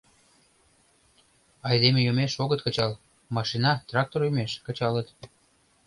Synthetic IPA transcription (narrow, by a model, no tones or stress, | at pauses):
ɑjd̪emejomeʃoɣət̪̚kət͡ɕɑl | mɑʃinɑt̪rɑk̚t̪orjymeʃkə̆t͡ɕɑlət̪